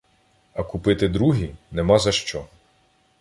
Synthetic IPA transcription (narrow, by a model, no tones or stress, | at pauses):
ɐkupɪt̪ɪd̪ɾuɦʲinemɑzɐʃt͡ʃɔ